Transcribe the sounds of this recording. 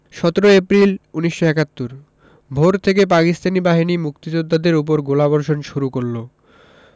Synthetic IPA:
ʃɔt̪oɾoepɾiluniʃːoɛkat̪ːuɾ | bʱoɾt̪ʰek̬epakist̪ʰanibaɦinimukt̪id͡ʑod̪ːad̪eɾup̬oɾɡolabɔɾʃonʃuɾukoɾlo

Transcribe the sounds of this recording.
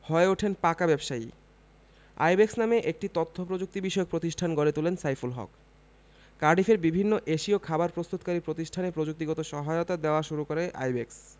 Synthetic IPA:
hɔeoʈʰenpakabɛbʃai | a̰jbeksnameʔek̚ʈit̪ot̪ʰːopɾod͡ʑuk̚t̪ibiʃɔok̚pɾot̪iʃʈʰanɡoɾet̪ulensajfulɦɔ̰kː | aɾɖifʰeɾbibʱinːoʔeʃiokʰabaɾpɾost̪ut̪kaɾipɾot̪iʃʈʰanepɾod͡ʑuk̚t̪iɡɔt̪oʃɔɦaeot̪ad̪eoaʃuɾukoɾeʔa̰jbeks

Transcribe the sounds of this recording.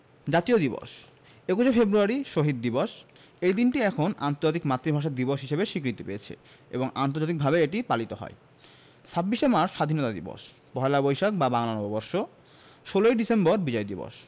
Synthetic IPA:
d͡ʑat̪iod̪ibɔ̰ʃ | ekuʃefebɾuaɾiʃoɦid̪̚ːibɔʃ | ejd̪inʈiɛkʰona̰nt̪oɾd͡ʑat̪̬ikmat̪ːɾibʱaʃ̬eɾd̪ibɔʃɦiʃebeʃikɾit̪ipeet͡ɕʰḛ | ḛboŋa̰nt̪oɾd͡ʑat̪ik̚bʱabeeʈipalit̪oɦɔ̰e | sʰabːiʃemaɾʃːad̪ʱinɔt̪ad̪ḭbɔ̰ʃ | pɔɦelabojʃok̚babaŋlanɔbobɔɾʃo | ʃoloejɖisemboɾbid͡ʑɔed̪ibɔ̰ʃ

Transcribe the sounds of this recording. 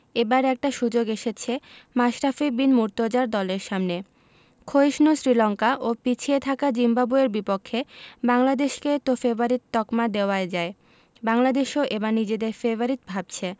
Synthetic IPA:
ebaɾɛk̚ʈaʃud͡ʑoɡeʃet͡ɕʰemaʃɾafibinmuɾt̪od͡ʑaɾd̪ɔleɾʃamne | kʰojʃnusɾilɔŋkaʔopit͡ɕʰiet̪ʰakad͡ʑimbabueɾbipokʰːebaŋlad̪eʃket̪ofebaɾit̪ːɔkmad̪eoaed͡ʑae | baŋlad̪eʃoʔebaɾnid͡ʑed̪eɾfeboɾit̪̚bʱab̚t͡ɕʰe

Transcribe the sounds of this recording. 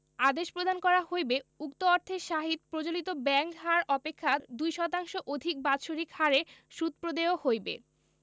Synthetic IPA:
ad̪eʃpɾod̪ʱankɔɾahojbeukt̪oɔɾt̪ʰeʃaɦit̪̚pɾod͡ʑolit̪obɛŋkɦaɾʔɔpekʰːad̪ujʃɔt̪aŋʃoʔod̪ʱik̚bad̪ʃoɾikhaɾeʃut̪̚pɾod̪eohojbḛ

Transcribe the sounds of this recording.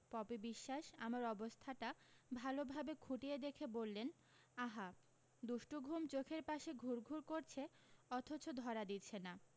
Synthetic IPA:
pɔpibiʃːaʃamaɾɔbost̪ʰaʈabʱalobʱabekʰuʈijed̪ekʰebolːen | aɦa | d̪uʃʈuɡʱumt͡ɕokʰeɾpaʃeɡʱuɾɡʱuɾkoɾt͡ɕʰeɔt̪ʰot͡ɕod̪ʱɔɾad̪it͡ɕʰena

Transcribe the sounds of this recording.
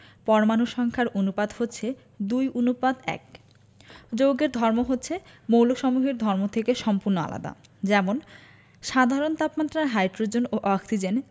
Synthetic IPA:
pɔɾomanuʃɔŋkʰaɾonupad̪hotːɕʰe | d̪ujunupad̪ɛ̰k̚ | d͡ʑowɡeɾd̪ʱɔɾmoɦotːɕʰemowlokʃɔmuɦeɾd̪ʱɔɾmot̪ʰekeʃɔmpuɾnoa̰la̰d̪a̰ | d͡ʑɛmon | ʃad̪ʱaɾont̪apmat̪ːɾaɦajɖɾod͡ʑonoʔɔksid͡ʑen

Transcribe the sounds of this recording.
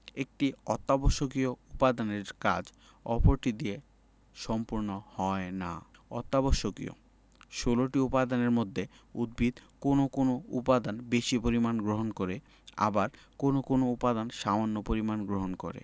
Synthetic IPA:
ek̚ʈiɔt̪ːaboʃokioupad̪aneɾka̰d͡ʑ | ɔpoɾʈid̪ie | ʃɔmpuɾnohɔena̰ɔt̪ːaboʃokḭo̰ | ʃoloʈiupad̪aneɾmod̪ʱːe | ud̪̚bʱid̪konokonoupad̪anbeʃipoɾimanɡɾoɦonkoɾe | a̰baɾkonokonoupad̪anʃamanːopoɾimanɡɾoɦonko̰ɾḛ

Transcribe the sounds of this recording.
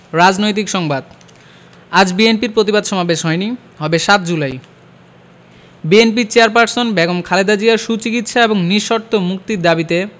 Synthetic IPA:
ɾad͡ʑnojt̪̬ikʃɔŋbad̪ | ad͡ʑbienpiɾpɾot̪ibad̪ʃɔmabeʃɦɔeni | ɦɔbeʃat̪d͡ʑulaj | bienp̬iɾt͡ɕeaɾp̬aɾsonbɛɡomkʰaled̪ad͡ʑiaɾʃut͡ɕikit̪ʃaeboŋniʃːoɾt̪omuk̚t̪iɾd̪abit̪e

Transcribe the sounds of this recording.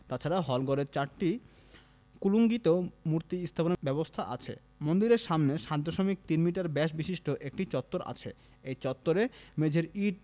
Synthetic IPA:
t̪at͡ɕʰaɾaɦɔlɡɔɾeɾt͡ɕaɾʈi | kuluŋɡit̪omuɾt̪iist̪ʰaponebɛbost̪ʰaʔa̰t͡ɕʰḛ | mond̪iɾeɾʃamneʃad̪ʱoʃomik̚t̪inmiʈaɾbɛʃ̬biʃiʃʈoʔek̚ʈit͡ɕɔt̪ːoɾa̰t͡ɕʰe | ejt͡ɕɔt̪ːoɾemed͡ʑʱeɾiɖ

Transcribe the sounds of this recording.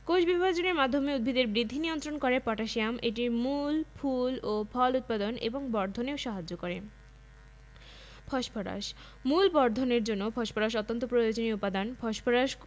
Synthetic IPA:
koʃbibbad͡ʑoneɾmad̪ʱːomeud̪̚bʱid̪eɾbɾid̪ʱːinijont̪ɾonkoɾepɔʈaʃijameʈiɾmulpʰulopʰɔlut̪̚pad̪onḛboŋbɔɾd̪ʱoneoʃaɦad͡ʑːokoɾe | pʰɔʃpʰɔɾa̰ʃ | mulbɔɾd̪ʱoneɾd͡ʑonːopʰɔʃpʰɔɾaʃ̬ɔt̪ːont̪opɾojod͡ʑoniupad̪anpʰɔʃpʰɔɾaʃ

